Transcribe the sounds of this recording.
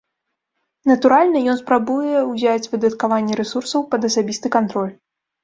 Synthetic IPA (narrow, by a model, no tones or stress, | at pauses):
nɐt̪uɾalʲnɐjɔnspɾabujɛuwzʲat͡sʲvɨd̪ɐt̪kavanʲːɛɾɛsursɐwpɐd̪ɐsabʲist̪ɨkant̪ɾɔlʲ